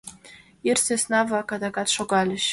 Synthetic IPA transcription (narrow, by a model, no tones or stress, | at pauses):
irsesnavakad̪akʼatʂoɡalʲɪʃ